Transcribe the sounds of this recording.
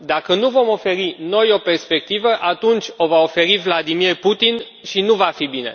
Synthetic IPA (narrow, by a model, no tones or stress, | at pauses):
d̪akənuvo̞mo̞fe̞ɾino̞jo̞pe̞rspe̞k̚t̪ivəʔat̪unt͡ʃʲo̞vao̞fe̞ɾivlad̪imierput̪in | ʃinuvafibine̞̰